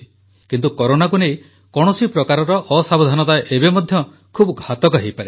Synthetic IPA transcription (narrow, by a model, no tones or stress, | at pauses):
kint̪ukɔɾonak̬unej | kɔɽ̃ɔsipɾɔkaɾɔɾɔʔɔsabɔd̪ʱanɔt̪ajʔebemɔd̪ʱjɔ | kʰubɔɡʱat̪ɔkɔɦijpaɾe